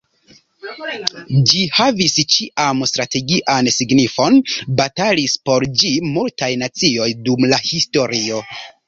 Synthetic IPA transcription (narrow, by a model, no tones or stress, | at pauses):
d͡ʒihavist͡ʃiʔamstɾate̞ɡiʔansiɡnifo̞nbatalispo̞ɾd͡ʒimultajnat͡sio̞jdumlahisto̞ɾio̞